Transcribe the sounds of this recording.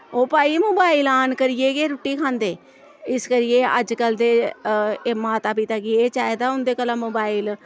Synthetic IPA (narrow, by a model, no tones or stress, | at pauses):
oːpaːiːmoːbaːɪlaːnkəɾɪeːɡeːɾʊʈːiːkʰãːnd̪eː | ɪskəɾɪjeːəd͡ʒkəld̪eː | maːt̪aːpit̪aːɡɪeːt͡ʃaːed̪aːʊnd̪eːkəlãːmoːbaːil